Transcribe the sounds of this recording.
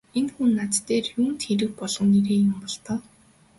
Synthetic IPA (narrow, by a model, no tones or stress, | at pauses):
enxunːat̪t̪ːeːrjuːn̥t̪xeɾɘ̆k̚pɔɮʁɞ̆nːeɾeːjʊ̆mpɔɮt̪ə̆ː